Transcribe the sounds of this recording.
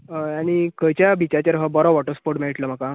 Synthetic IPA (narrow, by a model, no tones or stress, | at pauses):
añikəjt͡ɕjabʱit͡ɕat͡ɕaɾɦəbɔɾɔʋɔʈəspoɾʈmeɭiʈləm̤aka